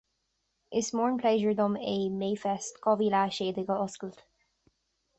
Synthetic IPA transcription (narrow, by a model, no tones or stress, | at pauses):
ɪsmɔːɹnpʰleʒəɹd̪ʊmeːmeːfɛstkʰɔviːlaːʃeːd̪ɪɡəɔskəlt̪